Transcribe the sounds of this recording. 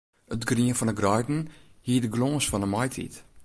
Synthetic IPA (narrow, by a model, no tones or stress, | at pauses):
ətɡriənfɔnəɡrœjdn̩hiədəɡlɔ̃ːsfɔnəmɔjtʰḭt